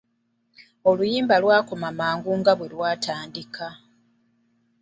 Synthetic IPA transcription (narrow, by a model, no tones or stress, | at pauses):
o̞lujiːmbalwaːko̞mamaːŋɡuŋɡaβwe̞lwaːtaːndikʰa